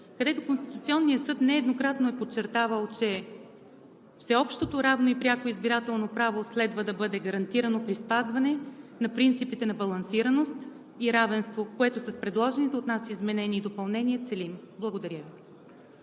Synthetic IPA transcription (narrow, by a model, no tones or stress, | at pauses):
kɐd̪ɛt̪okonst̪i̥t̪ut̪siɔnːijəsɤt̪nɛːd̪nokɾat̪noɛpot͡ʃːɛɾt̪avəlˠt͡ʃɛ | fsɛɔpʃt̪ot̪oɾavnoipɾʲjakoizbiɾat̪ɛlˠnopɾavoslɛd̪vəd̪ɐbɤd̪ɛɡɐɾɐnt̪iɾɐnopɾispazvɐnɛnɐpɾint̪sipit̪ɛnɐbɐlˠɐnsiɾɐnost̪ | iɾavɛnst̪vokoɛt̪osɐspɾɛd̪lˠɔʒɛnit̪ɛot̪nasizmɛnɛniːd̪opɐlˠnɛniɛt̪sɛlimblˠɐɡod̪ɐɾʲjəvi